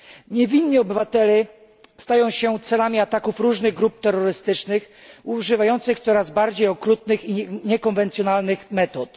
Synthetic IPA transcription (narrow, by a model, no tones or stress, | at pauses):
ɲɛvʲinɲiɔbɘvat̪ɛlɛ | st̪ajɔ̃w̃ɕɛt̪sɛlamʲiat̪akufɾuʐnɘɣɡɾup̚t̪ɛɾːɔɾɘst̪ɘt͡ʂnɘx | uʐɘvajɔnt̪sɘxt̪sɔɾazbaɾd͡ʑejɔkɾut̪nɘxiɲɛkɔnvɛnt̪sʲjɔnalnɘxmɛt̪ɔt̪